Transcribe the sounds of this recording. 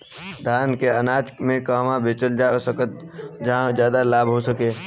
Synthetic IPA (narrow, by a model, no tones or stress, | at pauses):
d̪ʱaːnkeənaːt͡ʃkmẽkaːmãbʱeːt͡ʃəld͡ʒaosəkət̪̚ | d͡ʒɦãd͡ʒjaːd̪alaːbʱɦosəkeː